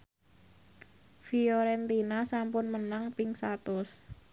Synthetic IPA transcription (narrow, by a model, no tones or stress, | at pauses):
fiɔɾɛnt̪inasampʊnmənaŋpɪŋsat̪ʊs